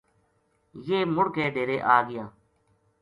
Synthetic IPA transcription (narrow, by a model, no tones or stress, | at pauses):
jeːmʊɽkeːɖeːɾeːʔaːɡɪjãː